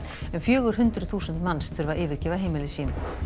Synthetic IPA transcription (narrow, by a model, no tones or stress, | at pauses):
ɛnfjœːɣʏɾ̥ɦʏnt̪ɾʏθuːsʏnt̪manst̪ʰʏɾvaʔɪːvɪɾ̥cɛːvaɦejmɪlɪsiːnʏ